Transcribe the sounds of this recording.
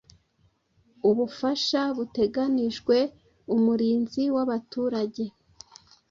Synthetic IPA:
uβufaʃaβute̞ɡaniʒɡwe̞ | umuɾiːnziwaβatuːɾaɟe̞

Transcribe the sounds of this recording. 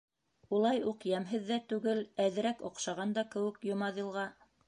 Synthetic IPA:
ulˠɑjuqjæmɦɘðːæt̪ʉɡɘlæðɘ̆ɾækŏqʃɑʁɑnd̪ɑkɘ̆wɘ̆kjŏmɑðɤ̆lˠʁɑ

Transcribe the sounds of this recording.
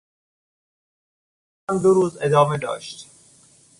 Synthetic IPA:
and̪uɾuːzed̪ɔːmeɖ̪ɔ̰ːʃt̪

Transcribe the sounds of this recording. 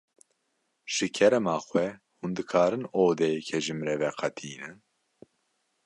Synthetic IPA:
ʒ̥ɨkʰɛɾɛmaːxwɛ | hund̪ɨkʰaːɾɨnoːd̪ɛjɛkʰɛʒɨmɾɛvɛqʰɑt̪ʰiːnɨn

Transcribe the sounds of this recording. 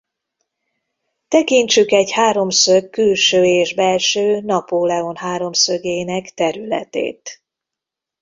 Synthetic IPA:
t̪ɛkiɲt͡ʃykɛɟhaːɾo̞msøkːylʃøːeːʒbɛlʃøːnɒpoːlɛo̞nɦaːɾo̞msøɡeːnɛkt̪ɛɾylɛ̰t̪ḛːt̪

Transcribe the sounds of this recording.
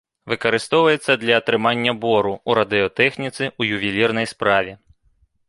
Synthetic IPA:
ʋɪkɔɾɪst̪ɔʋʊjet͡sʲːɐd̪lʲɐt̪ɾɪmɑnʲːɐbɔɾʊuɾɐd̪ɪɔt̪ɛxnʲit̪sʲɪujʊʋʲilʲirnɔjspɾɑʋʲi

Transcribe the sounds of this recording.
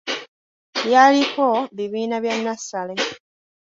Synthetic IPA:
jalikoβiβiːnaβjanːasale̞

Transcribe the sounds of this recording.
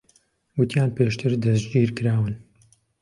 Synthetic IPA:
ɡʊt̪ʰijaːnpeːʃt̪ʰɨɾd̪ɐsd͡ʒiːɾkɨɾaːwɨn

